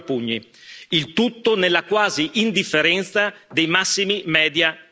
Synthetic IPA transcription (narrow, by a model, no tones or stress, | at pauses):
puɲːḭilt̪ut̪ːonelːakwaːziʔind̪ifːeɾɛnt̪sad̪ejmasːimimɛːd̪ja